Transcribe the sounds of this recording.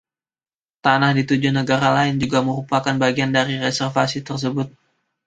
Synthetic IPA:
t̪anahdit̪ud͡ʒunəɡaɾalaɪnd͡ʒuɡaməɾupakanbaɡiandaɾiɾɛsɛrfasit̪ərs̬əbʊt̪̚

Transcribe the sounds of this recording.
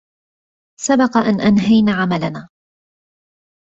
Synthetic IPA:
sabɑqɑʔanʔanɦajnaːʕamalanaː

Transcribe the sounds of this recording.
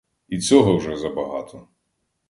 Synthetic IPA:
it͡sʲɔɦɔwʒɛzɐbɐɦɑt̪ʰɔ

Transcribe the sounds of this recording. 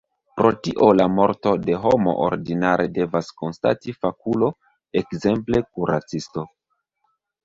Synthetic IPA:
pɾo̞tiʔo̞lamo̞ɾto̞de̞ɦo̞mo̞̰ʔo̰ɾdinaɾʔe̞de̞vasko̞nsta̰tifakulo̞ | ekze̞mple̞k̚uɾa̰t͡sisto̞

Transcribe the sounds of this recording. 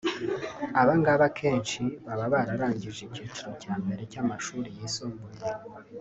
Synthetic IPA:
aβaŋɡaβakʰe̞ːnʃiβaβaβaɾaɾaːɲɟiʒiciːt͡ʃuɾocaːmbe̞ɾe̞camaʃuːɾijiːsoːmboje

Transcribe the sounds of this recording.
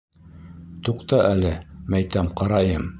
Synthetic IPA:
t̪uqt̪ɑʔælɘmæjt̪æmqɑɾɑjɤm

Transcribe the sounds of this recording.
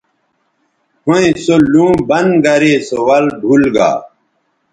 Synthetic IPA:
hõẽsolũːbɐnɡɐɾesowɐlɖʱulɡa̰ː

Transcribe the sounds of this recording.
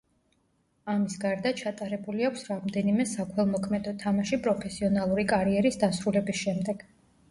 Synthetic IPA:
amisɡaɾd̪at͡ʃʰat̪ʼaɾɛbuliakʷʰsɾamd̪ɛnimɛsakʰwɛlˠmɔkʰmɛd̪ɔt̪ʰamaʃipʼɾɔpʰɛsiɔnalˠuɾikʼaɾiɛɾisd̪asɾulɛbisʃɛmd̪ɛɡ̥

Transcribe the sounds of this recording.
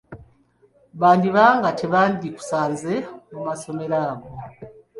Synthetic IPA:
βaːndiβaːŋɡatʰe̞βaːndiku̥saːnze̞mumaso̞me̞ɾaːɡo

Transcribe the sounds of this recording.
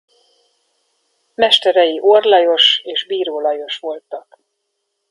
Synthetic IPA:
mɛʃt̪ɛɾɛjiʔorlɒjo̞ʃeːʒbiːɾoːlɒjo̞ʃʋo̞lt̪ɒk

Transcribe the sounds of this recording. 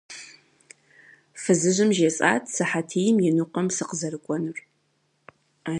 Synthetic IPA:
fɨzɨʑʷɨmʒet͡sʼa̰ːtʰsɨħatʰiːjɪmjɪnuqʷɐmsɨqəzɐrɨkʷʼɔnɨr | a

